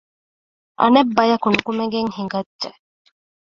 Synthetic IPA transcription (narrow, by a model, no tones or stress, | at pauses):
ʔɐ̰nebːɐjɐkunukumeŋɡeŋhiŋɡɐdʒe